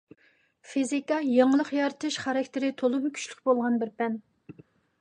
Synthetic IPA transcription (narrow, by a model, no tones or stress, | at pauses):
fizikɑjɑŋəlˠəqjɑɾɨt̪ʰɨʃχɑɾɑkʲt̪ʰɪɾɪt̪ʰolˠʊmkʲʰy̥ʃlyqbolˠʁɑnbɪɾpɛn